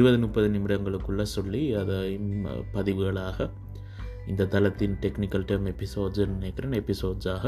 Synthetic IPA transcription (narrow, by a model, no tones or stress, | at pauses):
ɾɯbɐðɯnʊp̚pːɐðɯnɪmɪɽɐŋɡɐɭɯkːɯɭːɐsɔɭːiɐðɐmpɐðɪʋɯɣɐɭaːɣɐ | ɪnd̪ɐt̪ɐlɐt̪ːɪnʈɛknɪkːɐlʈɐɾmɛpːɪsoːɖzɛnːɯneːkːɪɾɐːnɛpːɪsoːɖsaːɣɐ